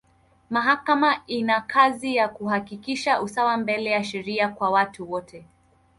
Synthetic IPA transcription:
maɦakamainakʰazijakuhakikiʃaʔusawambɛlɛjaʃɛɾiakwawatuwɔtʰɛ

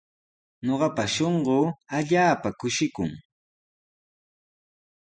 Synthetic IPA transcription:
ɲoɢɑpaʃoɴɢoːaʎaːpakʊʃɪkʊ̰ŋ

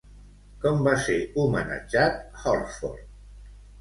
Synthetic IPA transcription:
kɔmbaseumənə̰d͡ʒat̪̚hɔɾfɔ̰ɾt

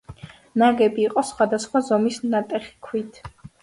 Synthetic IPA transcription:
naɡɛbiːqʼɔsχwad̪asχwazɔmisnat̪ʼɛχi̥kʰwit̪ʰ

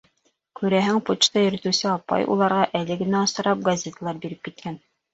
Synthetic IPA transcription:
kʉɾæɦɘŋput͡ʃt̪ɑjɵ̆ɾɘ̆t̪ɘ̆wsɘɑpɑ̰jʔṵlˠɑɾʁɑʔælɘɡɘ̆næɑ̆sɤ̆ɾɑp̚ɡɐzʲet̪alˠɑɾbiɾɘp̚kit̪̚kæn

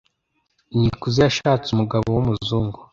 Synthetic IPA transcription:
ɲikuzijaʃaːt͡sumuɡaβowumuzuːŋɡu

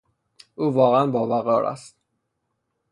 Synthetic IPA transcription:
ʔuːvɒːɣeænbɒːvæɣɒːɾʔæ̰st̪̚

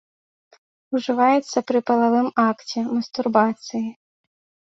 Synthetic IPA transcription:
uʐɪvajɛt̪sːɐpɾɨpɐlˠaʋɪmakt͡sʲɛmɐst̪urbat̪sɨji

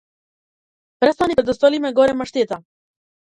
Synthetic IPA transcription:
pɾɛst̪anipɾɛd̪ost̪olimɛɡoɾɛmaʃt̪et̪a

